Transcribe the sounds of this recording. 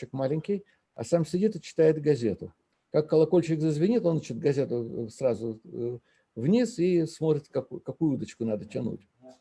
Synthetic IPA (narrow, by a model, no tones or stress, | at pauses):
ɪkmalʲɪnʲkʲɪj | ɐ̰samsʲɪdʲit̪ɨt͡ɕɪ̥t̪ajɪt̪ɡɐzʲe̞t̪ʊ | kakːəlˠɐko̞lʲt͡ɕɪkzəzvʲɪnʲit̪o̞nɨt͡ɕot̪̚ɡɐzʲe̞t̪ʊsrazʊ | vnʲisismo̞t̪ɾʲɪt̪kɐkkɐkujʊud̪ət͡ɕkʊnad̪ətʲɪnṵtʲ